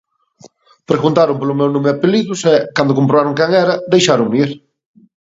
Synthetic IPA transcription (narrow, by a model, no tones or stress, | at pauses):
pɾeɣunt̪aɾʊmpolʊmɛwnõmeapeliðʊsɛkand̪ʊkompɾoβaɾʊŋkɛŋɛɾɐd̪ejʃaɾʊŋniɾ